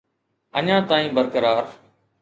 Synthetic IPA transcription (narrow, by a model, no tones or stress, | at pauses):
əɲãːt̪aːĩːbəɾkəɾaːɾ